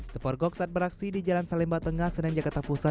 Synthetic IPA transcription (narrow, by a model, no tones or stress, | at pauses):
t̪əpɔrɡɔksat̪̚bəɾaksidid͡ʒalansalɛmbat̪əŋahsədaŋd͡ʒakart̪apusa